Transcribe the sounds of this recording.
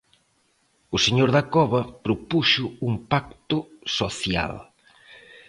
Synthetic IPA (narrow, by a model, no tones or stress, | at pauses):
ʊseɲoɾðɐkɔβɐpɾopuʃʊumpak̚t̪ʊsoθja̰l